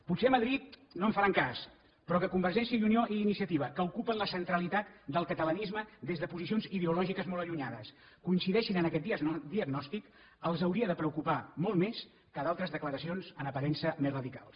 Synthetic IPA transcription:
put̪seəməðɾit̪̚noəɱfəɾaŋkas | pɾɔkəkumbəɾʒɛnsijəjunioʔiːnisiət̪iβ̞əkəukupənləsənt̪ɾəlit̪at̪̚d̪əlˠkət̪ələnizməd̪ezðəpuzis̬ionziðeulɔʒikəzmɔlˠəʎuɲaðəs | kuinsiðɛʃinənəkɛt̪̚d̪d̪iəɡnɔst̪ik | əlˠzəwɾiəðəpɾəukupamɔlˠt̪mes | kəðalˠt̪ɾəzðəkləɾəsionzənəpəɾɛnsəmezrəðika̰lˠ

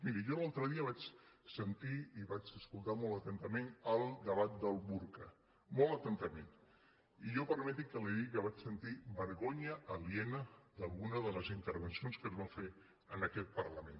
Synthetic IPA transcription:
miɾiʒɔlalˠt̪ɾəðiəβ̞at͡ʃsənt̪iiβat͡ʃəskulˠt̪amɔlˠt̪ət̪ənt̪əmenəlˠd̪əβat̪̚d̪əlˠβuɾkə | mɔlˠət̪ənt̪əmen | iʒɔpəɾmɛt̪̬ikəliðikəβat͡ʃsənt̪iβəɾɣoɲəʔəliɛnəd̪əlˠɣunəðələzint̪əɾβənsionskəzβafe | ənəkɛt̪̚pəɾləmen

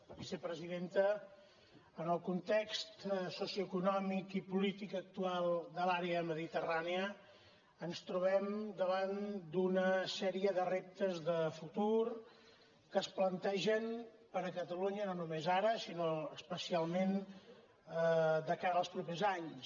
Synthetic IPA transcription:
bisəpɾəziðent̪ə | ənəlˠkunt̪ekst̪sosjuəkunɔmikipulit̪ikək̚t̪ualˠd̪əlaɾeəməðit̪əraneəː | nst̪ɾuβ̞ɛmd̪əβand̪unəsɛɾiəðərep̚t̪əzðəfut̪uɾ | kəsplənt̪ɛʒənpəɾəkət̪əluɲənonumezaɾəsinoəspəsialˠmen | d̪əkaɾəlˠspɾupezaɲs

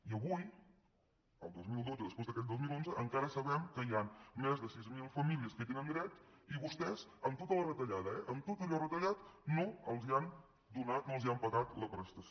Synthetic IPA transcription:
iəβuj | ə̰lˠd̪ozmilˠd̪od͡zəðəspezðəkɛt̪̚d̪ozmilonzəʔəŋkaɾəsəβɛmkəianmɛzðəsizmilˠfəmiliəskəet̪enənd̪ɾɛt̪ | iβust̪ɛzəmt̪ot̪ələrət̪əʎaðəɛʔəmt̪ot̪əʎɔrət̪əʎat̪noəlˠzian | d̪unat̪̚noəlˠziampəɣat̪ləpɾəst̪əs

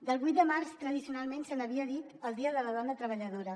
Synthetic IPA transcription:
d̪əlˠβujt̪̚d̪əmarst̪ɾəðisiunalˠmensənəβiəðit̪əlˠd̪iəðələðɔnət̪ɾəβ̞əʎəðoɾə

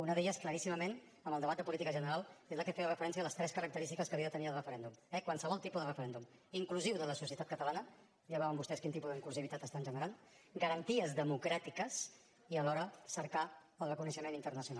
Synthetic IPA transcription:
unəðeʎəskləɾisiməmen | əmbəlˠd̪əβat̪̚d̪əpulit̪ikəʒənəɾalˠezləkəfeərəfəɾɛnsiələst̪ɾɛskəɾək̚t̪əɾist̪ikəskəβiəðət̪əniəlˠrəfəɾɛnd̪umɛkwansəβ̞ɔlˠt̪ipuðərəfəɾɛnd̪umiŋkluziwðələsusiət̪at̪̚kət̪əlanə | ʎaβaβəmbust̪ɛskint̪ipuðəiŋkluziβit̪at̪əst̪anʒənəɾan | ɡəɾənt̪iəzðəmukɾat̪ikəs | iəlɔɾəsəɾka | əlˠβəkunəʃəmenint̪əɾnəsiunal

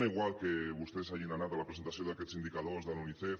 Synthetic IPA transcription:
aiɣwalkeβust̪eesajinanat̪alapɾesent̪asjond̪aket͡sind̪ikaðozðaluniθef

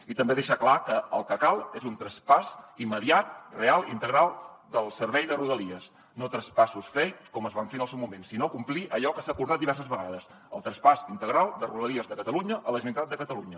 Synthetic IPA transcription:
it̪əmbeðeʃaklakəəlˠkəkalˠezunt̪ɾəspasimːəðiat̪̚realˠint̪əɣɾalˠd̪əlˠsəɾβɛjðəruðəliəs | not̪ɾəspasusfɛjkɔməzβaɱfenəlˠsɛwmumensinokumpliʔəʎɔkəsakuɾðat̪̚d̪iβɛɾs̬əzβəɣaðəs | ə̰lˠt̪ɾəspasint̪əɣɾalˠd̪əruðəlˠiəzðəkət̪əluɲəʔələʒmnit̪at̪d̪əkət̪əluɲə

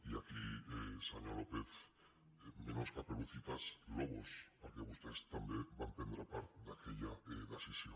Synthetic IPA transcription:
iakiesaɲolopeθ | mẽnoskapeluθit̪asloɣ̞ospaɾkeust̪aest̪ambebampend̪ɾapaɾt̪d̪akeʎaðasisjo

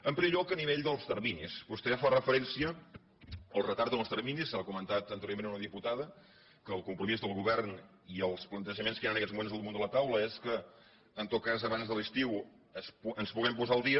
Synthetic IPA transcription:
əmpɾimeʎɔkəniβeʎd̪əlˠst̪əɾminispust̪eafarəfəɾɛnsiə | əlˠrət̪aɾt̪ənəlˠst̪ərminisakumənt̪at̪ənt̪əɾjoɾmenəunəðiput̪aðə | kəːlˠkumpɾumizðəlˠɣuβɛrn | iəlˠsplənt̪əʒəmenskəjanəkɛtzmumenzðəlˠmõnd̪ələt̪awləeskəː | nt̪ot̪̚kazəβanzðəlist̪iw | əspənspuɣɛmpuzaəlˠd̪iə

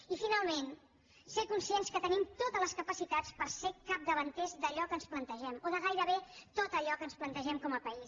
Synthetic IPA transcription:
ifinalˠmen | sekunsienskət̪ənimt̪ot̪ələskəpəsit̪at͡spəɾsekap̚d̪əβənt̪ɛzd̪əʎɔkənsplənt̪əʒɛmoðəɣ̞ajɾəβ̞et̪ot̪əʎɔkənsplənt̪əʒɛmkɔməpəis

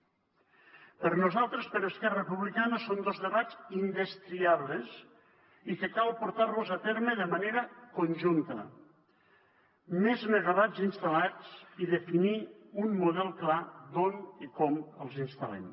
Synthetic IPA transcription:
pəɾnuzalˠt̪ɾəspəɾəskɛrəpuβlikanəsond̪ozðəβazind̪est̪ɾiaβlez | ikekalˠpuɾt̪aɾlozat̪ɛɾməðəmaneɾəkonʲʒunt̪ə̰ | mezmeɣaβad͡zinst̪alat͡siðefiniunmuðɛlˠklad̪onikɔməlˠzinst̪a̰lɛ̰m

